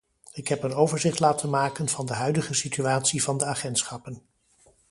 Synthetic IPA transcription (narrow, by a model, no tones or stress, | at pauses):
ɪkɦɛpənowvəɹzɪχtlaːtʰənmaːkənvɑndəɦœɥdəχəsityaːtsivɑndəaːχɛntsχɑpən